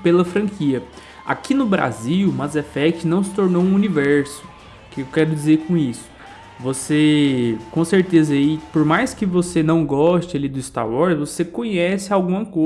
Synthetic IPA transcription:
pelɐfɾɐ̃kʰiɐ | a̰kinʊbɾa̰ziwmɐzɛfɛkt͡ʃɪnɐ̃w̃sɪ̥t̪oɾnowũunivɛɾsʊ̥ | kɪewkɛɾʊd͡ʒizeɾkõisʊ̥ | vosekõseɾt̪ezɐipoɾmajskɪvosenɐ̃w̃ɡɔʃt͡ʃalid̪ʊist̪a̰ɾwɔɾsvosekõɲɛsɪawɡũmɐko

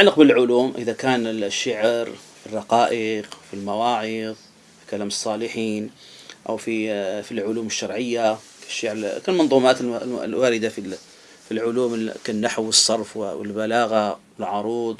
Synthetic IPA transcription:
aʕlɪq̚bɪllʕʊluːmʔɪðakaːnɪʃːaʕɾfirˤːɑqɑːʔɪqfilmawɑːʕɪðˤ | fi̥kalaːmɨsˤːɑːlɪħiːn | ʔa̰wfifilʕʊluːmɪʃːɑɾˤʕɪjːa | kḁʃːaʕɾkalmɑnðˤuːmaːt̪lwaːɾɪd̪afi | filʕʊluːmkanːaħwɨsˤːɑɾˤfwwɪ̰lbalaːɣawɪlʕʊɾˤuːd̪ˤ

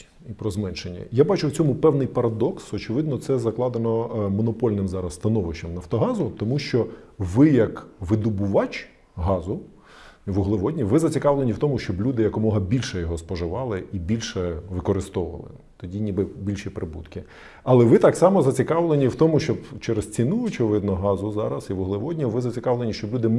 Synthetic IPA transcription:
ipɾɔzmɛnʃenʲːɐ̰jabɑt͡ʃʊwt͡sʲɔmʊpɛwnɪjpɐɾɐd̪ɔksɔt͡ʃɪʋɪd̪nɔt̪sɛzɐklˠɑd̪enɔmɔnɔpɔlʲnɪmzɑɾɐsːt̪ɐnɔʋɪʃɐmnɐwt̪ɔɦɑzʊt̪ɔmuʃt͡ʃɔʋɪjɐkʋɪd̪ʊbʊʋɑt͡ʃ | ɦɑzʊ | iʋʊɦlˠeʋɔdʲnʲiʋɪzɐt͡sʲikɑʋlˠenʲiwt̪ɔmʊʃt͡ʃɔblʲud̪ɪjɐkɔmɔɦɐbʲilʲʃɛjɔɦɔspɔʒɪʋɑlˠɪʔibʲilʲʃɛʋɪkɔɾɪst̪ɔʋʊ̰ʋɐ̰lˠɪ̰ | t̪ɔdʲinʲibɪbʲilʲʃipɾɪbṵt̪kɪ | ɐlˠɛʋɪt̪ɑksɑmɔzɐt͡sʲikɑʋlˠenʲiwt̪ɔmʊʃt͡ʃɔbt͡ʃɛɾest͡sʲinuɔt͡ʃɪʋɪd̪nɔɦɑzʊzɑɾɐsiʋʊɦlˠɪʋɔdʲnʲʊʋɪzɐt͡sʲikɑʋlˠenʲiʃt͡ʃɔblʲud̪ɪ

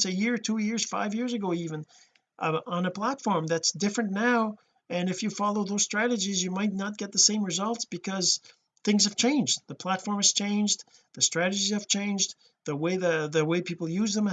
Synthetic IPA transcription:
sɨjɪɹtʰujɪɹz̥fa̰ɪvjɪɹzɨɡoʊivɨ̃n | ə̃nəpʰl̥ætfɔɹmðætsd̥ɪfɹɨ̃nːaʊ | ɨ̃nɨfjɨfɑlˠoʊðoʊz̥stɹ̥æɾɨd͡ʒizjɨmaɪtⁿnət̚ɡ̥ɛt̪̚ðəsẽɪ̃mɹɨzʌlˠtsb̥ɨkʰʌz̥ | θɪ̃ŋz̥ɨv̥t͡ʃʰẽɪ̃nd͡ʒðəpʰl̥ætfɔɹmɨz̥t͡ʃʰẽɪ̃nd͡ʒ | ðɨstɹ̥æɾɨd͡ʒizɨv̥t͡ʃʰẽɪ̃nd͡ʒ | ðəweɪðɨðɨweɪpʰipl̩ˠjʉzðə̃m

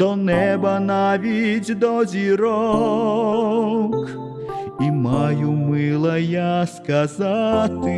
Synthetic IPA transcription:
ɔnɛbɐnavʲid͡zʲd̪ɔzʲiɾɔ | k | imajumɨlˠɐjaskazat̪ɨ

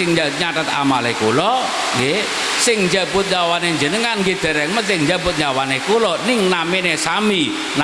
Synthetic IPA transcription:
ɪŋd͡ʒaɲaʈət̪a̰malekulɔ | ɡe | sɪŋɲd͡ʒabʊt̪̚ɲawaneɲd͡ʒənəŋanɡed̪̥ɛ̤ɾɛŋməsɪŋɲd͡ʒabʊt̪̚ɲawanekulɔnɪŋnaminesami | n

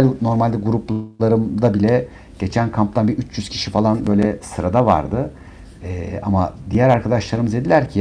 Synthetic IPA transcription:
lʲno̞ɾmalʲd̪ɛɡuɾuplˠaɾɯmd̪abilʲɛ | ɟ̥e̞t͡ʃʰænkʰamp̚t̪ʰanbiyt͡ʃʰjyz̥cʰi̥ʃifalˠanbø̞jlʲɛsɯɾad̪ava̰ɾd̪ɯ | ɛːa̰mad̪ijæɾaɾkʰad̪aʃlˠaɾɯmɯze̞d̪ilʲæɾcʰi

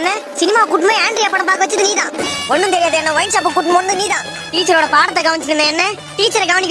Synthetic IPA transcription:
nːɐsɪnɪmaːkuʈːmẽaːɳɖɾiɐpːɐɽɐmpaːkɯʋɐt͡ʃːɯðɯniːðãːɔnːɯ̃t̪ɛɾɪjaːðɛnːɐʋɐjɪnt͡ʃaːp̬ːɯkːuːʈːmɐʋɐnd̪ɯniːðãː | ʈiːt͡ʃːɐɾoːɽɐpaːɽɐt̪̬ːɐɡɐʋɐɲt͡ʃɪɾɯnːɐ̃ɛnːɛ | ʈiːt͡ʃːɐɾɛɡɐʋɐnɪkː

